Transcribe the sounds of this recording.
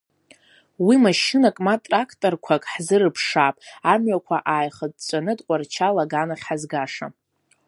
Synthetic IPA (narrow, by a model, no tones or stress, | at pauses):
wimaʃɨnakʼmatʼrakʰtʼorkʷʰakʼħzɨrɨpʰʂaːpʼamɥakʷʰaʔaːjχəd̚t͡ʃʷʼanɨdqʷʼart͡ʃʰalaɡanaχʲħazɡaʂa̰